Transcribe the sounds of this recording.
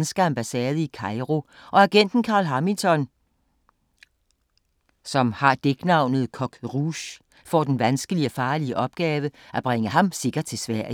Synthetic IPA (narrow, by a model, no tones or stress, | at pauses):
nəsɡ̥ɐæmb̥æsɛːðˠəikʰɑ̈ɪʁo̝ | ʔɒ̽æɡ̥en̰d̥n̩kʰɑ̈ːlɦɑminsɒ̽n | sɒ̽mhɑ̈d̥eɡ̥nɑ̈ʊ̰nð̞̩ˠkʰɒ̽ɡ̥ʁuɕ | fɒd̥enʋænsɡ̥əliɒfɑ̈ːliəʔɒ̽b̥ɡ̥ɛːʋəʔæb̥ʁeŋəhɑ̈mse̝ɡ̥ɐ̥t͡sʰe̝sʋæɐ̰